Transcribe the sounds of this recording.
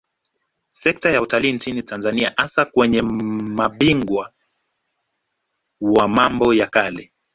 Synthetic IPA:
sɛk̚tajautaliːnt͡ʃinitanzania̰ʔasakwɛɲɛmaɓiŋɡwa | wamambɔjakalɛ

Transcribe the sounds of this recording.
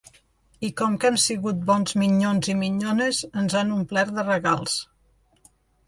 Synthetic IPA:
ikɔmkɛmsiɣut̪̚bɔnzmiɲonzimiɲonəzənzanumplɛɾðərəɣalˠs

